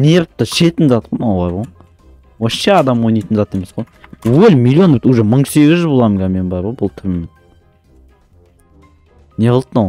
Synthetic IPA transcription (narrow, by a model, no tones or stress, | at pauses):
neɾt̪ːəʃet̪ɪnzɑt̪qonawbɑɾʁo | woʃeɑd̪ɑmwojnɑjt̪ənzɑt̪e̞me̞sqojwɵlʲmilʲjonøɾt̪uʒeməɴse̞ɡʲɪzʒbolˠɑmɡɑme̞nbɑɾʁojbʊlˠt̪ʰɪɾmːen | neʁəlˠt̪naw